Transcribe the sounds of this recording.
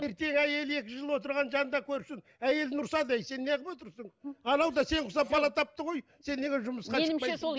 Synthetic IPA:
e̞ɾt̪e̞ŋæje̞le̞kʲɪʒəlˠwo̞t̪əɾʁɑnʒɑnnd̪ɑkʲʰɵɾsɪŋ | æje̞lnʊɾsɑd̪ejse̞nːeqɪpwo̞t̪əɾsəɴɑnɑwd̪ɑse̞ɴqʰʊsɑpʰɑlˠɑt̪ʰɑp̚t̪əʁo̞j | se̞nːeɡʲeʒʊməsqɑeɪmmɑeso

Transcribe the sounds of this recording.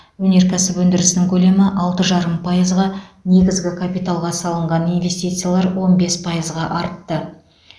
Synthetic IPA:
wɵne̞ɾkʲæsɪpwɵnd̪ɪɾɪsɪnɪŋkʲʰɵle̞mɪʔɑlˠt̪əʒɑɾəmpʰɑjəzʁɑne̞ɡʲɪzɡʲɪkʰapijt̪alˠʁɑsɑlˠəɴʁɑninvʲe̞st̪it̪sɨjalˠɑɾwo̞nbe̞spʰɑjəzʁɑʔɑɾt̪ːə

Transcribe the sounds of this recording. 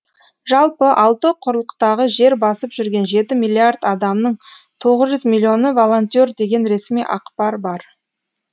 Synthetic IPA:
ʒɑlˠpəʔɑlˠt̪əqʰʊɾlˠəqt̪ɑʁəʒe̞ɾbɑsəpʒʏɾɡʲe̞nʒe̞t̪ɪmijlʲːiard̪ɑd̪ɑmnəɴt̪ʰo̞ʁəzʒʏzmilʲːio̞nəvo̞lˠont̪ʲord̪e̞ɡʲe̞nɾe̞smijʔɑ̰qpɑɾbɑɾ

